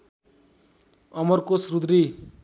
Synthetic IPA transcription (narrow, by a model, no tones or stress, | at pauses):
ʌmʌrkosrud̪ɾi